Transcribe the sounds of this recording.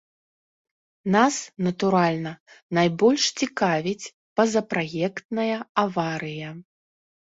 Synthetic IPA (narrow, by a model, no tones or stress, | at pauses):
nasnɐt̪uɾalʲnɐnajbɔlʲʂt͡sʲikavʲit͡sʲ | pɐzɐpɾajɛkt̪nɐjɐavaɾɨjɐ